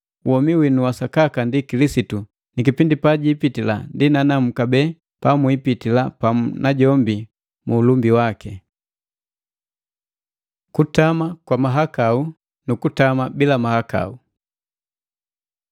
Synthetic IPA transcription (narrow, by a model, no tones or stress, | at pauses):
wɔmiwinuwasakakandikilisitu | nikipindipaɟiːpitila̰ndinanam̩kabɛ | pamwipitilapanaɟɔmbi | muːlumbiwakɛ | kutamakwamaɦakau | nukutamabilamahaka̰u